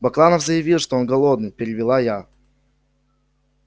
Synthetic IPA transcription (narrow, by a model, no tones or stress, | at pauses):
bɐklˠanəfzəjɪvʲilˠʂt̪oo̞nɡɐlˠod̪̚nɨjpʲɪɾʲɪvʲɪlˠaja